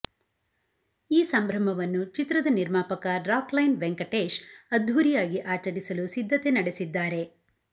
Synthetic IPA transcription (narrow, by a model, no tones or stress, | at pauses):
iːsɐmbʱɾɐm̤ɐʋɐnːut͡ʃit̪ɾɐd̪ɐniɾmaːpɐkɐɾaːklɐjnʋeŋkɐʈeːʃɐd̪ʱʋuɾijaːɡiʔaːt͡ʃɐɾisɐlusid̪ʱːɐt̪e̞nɐɽesid̪ːaːɾe̞